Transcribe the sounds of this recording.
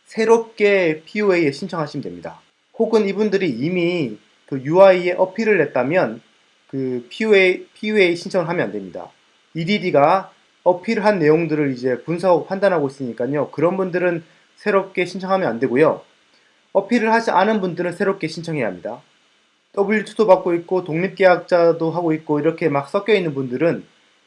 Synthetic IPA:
sʰe̞ɾop̚k͈e̞pʰiueie̞ɕʰint͡ɕʰʌŋɦaɕʰimidwemɲida̰ | hoɡɯnibundɯɾiːmi | kɯjuaie̞ʔʌpʰiɾɯɭɦe̞t̚t͈amjʌn | kɯpʰiepʰiue̞iɕʰint͡ɕʰʌŋɯɭɦamjʌnandwe̞mɲida̰ | ididiɡa | ʌpʰiɾɯɭɦanːe̞joŋdɯɾɯɾid͡ʑe̞puns̬ʰapʰandanɦaɡois͈ɯɲik͈aɲokɯɾʌnbundɯɾɯn | sʰe̞ɾop̚k͈e̞ɕʰint͡ɕʰʌŋɦamjʌnandwe̞ɡojo | ʌpʰiɾɯɭɦad͡ʑiʔanɯnbundɯɾɯnsʰe̞ɾop̚k͈e̞ɕʰint͡ɕʰʌŋɦe̞ja̰mɲida̰ | t͈ʌbit͡ɕʰudobak̚k͈oit̚k͈otoŋɲip̚k͈e̞jak̚t͡ɕ͈adoɦaɡoit̚k͈oiɾʌkʰe̞mak̚s͈ʌk̚k͈jʌinːɯnbundɯɾɯn

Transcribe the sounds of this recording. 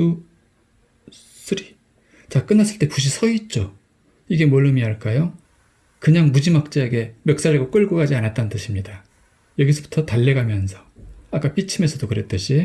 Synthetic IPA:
u | s͈ʰɯɾi | t͡ɕak͈ɯnːas͈ɯɭt͈e̞puɕ̬ʰisʰʌit̚t͡ɕ͈o | iɡe̞mʌɭːɯmiɦaɭk͈ajo | kɯɲaŋmud͡ʑimak̚t͡ɕ͈aeɡe̞mjʌk̚s͈aɾeɡok͈ɯɭɡoɡad͡ʑianat̚t͈annt͈ɯɕʰimɲida | jʌɡisʰʌbu̥tʰʌtaʎːeɡamjʌnsʰʌ̥ak͈ap͈it͡ɕʰimesʰʌdokɯɾe̞t͈ɯɕʰi

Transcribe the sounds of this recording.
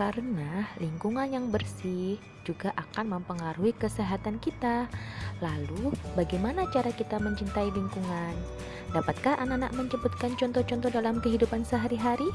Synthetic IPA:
kaɾənaliŋkuŋanjaŋbərsɪh | d͡ʒuɡaʔakanməmpəŋaɾuikəseɦat̪ankit̪alalubaɡajmanat͡ʃaɾakit̪aməɲt͡ʃint̪ailiŋkuŋan | dapat̪̚kahʔananaʔ̚məɲt͡ʃəbut̪̚kant͡ʃɔnt̪ɔt͡ʃɔnt̪ɔdalamkəɦidupansəɦaɾiɦaɾi

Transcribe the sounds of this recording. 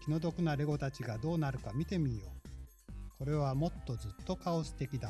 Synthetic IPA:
kʲino̞d̪o̞kɯ̟naɾe̞ɡo̞t̪at͡ɕiɡad̪o̞ːnaɾɯ̟kamʲit̪e̞mʲio̞ː | ko̞ɾe̞β̞amo̞t̪ːo̞zɨt̪ːo̞kaoɕi̥t̪e̞kʲid̪a

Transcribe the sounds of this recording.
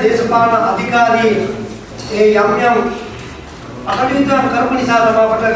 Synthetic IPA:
d̪eːsɐpaːnɐʔɐd̪ʱikaːɾi | eːjamjɐm | ɐkɐɽit̪ːaːmkɐɾmɐnisaːd̪ɐmaːpɐʈːɐ

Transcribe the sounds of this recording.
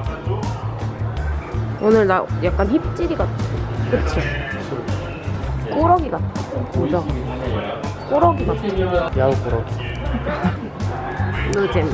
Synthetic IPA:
onɯɭnajak̚k͈ançip̚t͡ɕ͈iɾiɡat͈ʰokɯɾʌt͡ɕʰokɯɾʰ | k͈oɾʌɡiɡamod͡ʑa | k͈oɾʌɡiɡatjauk͈oɾʌɡi | nɯt͡ɕem

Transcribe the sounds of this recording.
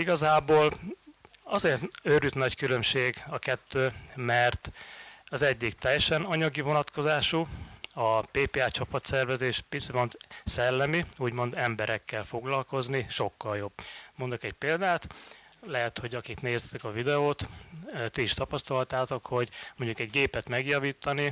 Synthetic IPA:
iɡɒzaːboːl | ɒzeːrt̪øɾyt̪nɒckylø̞mʃeːɡɒkɛt̪ːøːmɛrt̪ɒzɛɟːik̚t̪ɛjːɛʃɛnɒɲɒɡivo̞nɒt̪ko̞zaːʃuɒpeːpeaːt͡ʃɒpɒt̪sɛrvɛzeːʃpisimo̞nt̪sɛlːɛmiuːɟmo̞nd̪ɛmbɛɾɛkːɛlfo̞ɡlɒlko̞zniʃo̞kːɒljo̞bmo̞nd̪okɛcpeːld̪aːt̪lɛɦɛt̪ho̞ɟɒkikneːzɛt̪ɛkɒvid̪ɛoːt̪ːt̪iiʃt̪ɒpɒst̪ɒlɒt̪aːt̪o̞kho̞ɟmoɲɟukɛɟɡeːpɛt̪mɛɡjɒviːt̪ːɒni

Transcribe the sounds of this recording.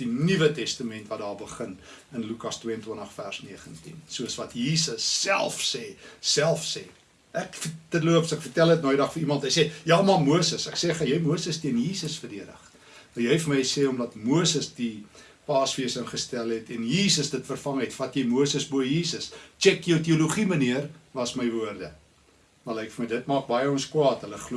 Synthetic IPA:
d̥inivətɛstəmɛntvɐt̚dɑːrbəχən | ənlukɐstwiəəntwəntəχfærsniəχəntḭnsuəsvɐtjiːsəsːælˠfseːsælˠfsɛ̰ː | ʔækfədətluəpsækfərtælˠət̚nɑːidɐχfəɾimɐntɦəjsejɑːmɐmuəsəsæksɛːχəjəjmuəsəstiənjiːsəsfərdiədə̰χ | əjəjfərməjseːɔmdɐtmuəsəsdi | pɑːsfiəsənχəstælˠɦɛtɛnjiːsəsdətfərfɐŋɦɛtfɐtjəjmuəsəsbuəjiːsəst͡ʃɛkjiəwt̬iuluχiməniərvɐsməjvuərdə̰ | mɐləjkfərməjdətmɑːk̚bɐjəɔnskwɑːtɦələχlu

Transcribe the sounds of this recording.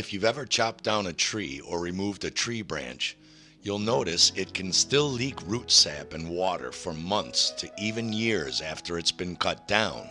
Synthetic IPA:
ɨfjʉvɛvə˞t͡ʃʰɑp̚d̥ãʊ̃nɨtʰɹ̥iə˞ɹimuvdɨtʰɹ̥ibɹæ̰̃nt͡ʃ | julˠnoʊɾɨsɪt̚kʰɨ̃n̩stɪlˠlikɹutsæpɨ̃nwɔɾə̰˞fə˞mʌ̃nθstʰɨʔivɨ̃njɪɹzæftə˞ɨtsb̥ɨ̃nkʰʌt̚d̥ãʊ̃n

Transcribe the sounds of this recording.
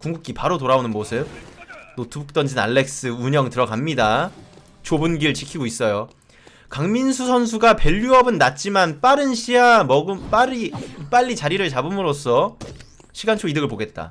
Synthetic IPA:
kuŋɡuk̚k͈ipaɾotoɾaonɯnmosʰɯb̚notʰɯbuk̚t͈ʌnd͡ʑina̰ɭːe̞k̚s͈ɯuɲʌŋtɯɾʌɡamɲida | t͡ɕobɯnɡiɯɭt͡ɕikʰiɡois͈ʌjo | kaŋminsʰusʰʌnsʰuɡape̞ʎːuʌbɯnːat̚t͡ɕ͈imanp͈aɾɯnɕʰiamʌɡɯmp͈aɾip͈aʎːit͡ɕaɾiɾɯɭt͡ɕabɯmɯɾos͈ʰʌ | ɕʰiɡant͡ɕʰoidɯɡɯɭpoɡe̞t̚t͈a̰

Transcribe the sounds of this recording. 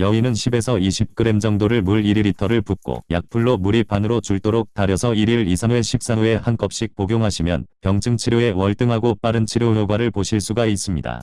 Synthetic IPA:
jʌwinɯnɕʰibe̞sʰʌiɕʰip̚k͈ɯɾe̞md͡ʑʌŋdoɾɯɭmuɭiɾiɾitʰʌɾɯɭpuk̚k͈o̰ja̰k̚pʰuɭːomuɾipʰanɯɾot͡ɕuɭt͈oɾok̚taɾjʌsʰʌiɾiɭisʰaŋwe̞ɕʰip̚s͈aŋue̞hank͈ʌp̚ɕ͈ik̚poɡjoŋɦaɕʰimjʌ̰npjʌŋt͡ɕʰɯŋt͡ɕʰiɾjoe̞wʌɭt͈ɯŋɦaɡop͈aɾɯnt͡ɕʰiɾjojoɡwaɾɯɭpoɕʰiɭs͈uɡais͈ɯmɲida̰

